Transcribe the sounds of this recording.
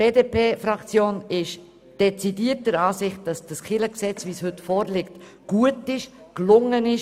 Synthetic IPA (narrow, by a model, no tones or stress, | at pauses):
beːdeːpeːfɾɑkt͡sjoːnɪʃ | d̥ɛt͡sidiːət̚əɾɑːsɪχt̚d̥ɑsd̥ɑsχɪləksɛt͡sviːshɵtfoːɾlɪkt | ɡ̥uətɪʃ | klʊŋənɪʃ